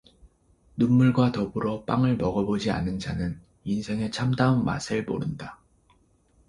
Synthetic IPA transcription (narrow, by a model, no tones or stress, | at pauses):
nunmuɭɡwatʌbɯɾʌp͈aŋɯɭmʌɡʌbod͡ʑia̰nɯnd͡ʑa̰nɯn | insʰe̞ŋe̞t͡ɕʰamdaunma̰sʰɯɭpo̰ɾɯnda